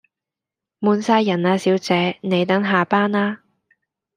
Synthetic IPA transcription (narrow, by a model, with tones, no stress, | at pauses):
muː˨˧nsaː˧jːɐ˨˩naː˧siː˨˥wt͡sɛː˨˧ne˨˧jt̪ɐ˨˥ŋɦaː˨paː˥naː˥